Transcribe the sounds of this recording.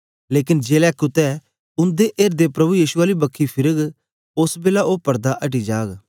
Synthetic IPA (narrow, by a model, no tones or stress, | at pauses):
leːkɪnd͡ʒeːlɛːkʊt̪ɛ | ʊ̃nd̪eʔeːɾd̪epɾɐbujiːʃʊaːlibɐkʰːipʰɪɾəɡ | ʊsbeːlaʔoːpɐɾd̪aʔɐʈ̬id͡ʒaːɡ